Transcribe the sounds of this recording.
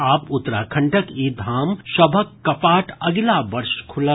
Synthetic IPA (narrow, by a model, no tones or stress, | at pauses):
aːpʊt̪ːɾa̰ːkʰɐ̃ɳʈəkiːd̪ʱaːmʃɐbʱəkːɐpaːʈʰɐɡlaːʋɐɾʃkʰʊlə